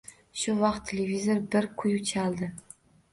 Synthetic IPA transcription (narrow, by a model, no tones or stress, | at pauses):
ʃʊvɑqt̪ʰːelʲevʲizoɾbɪɾkʰʊjʊt͡ʃʰalˠd̪ɪ